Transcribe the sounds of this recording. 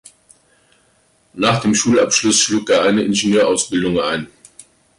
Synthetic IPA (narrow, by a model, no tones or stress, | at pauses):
naːχd̥eːmʃuːlapʃlʊsʃluːkeːɐʔaɪnəʔɪnʒenøːɐʔaʊsb̥ɪldʊŋaɪn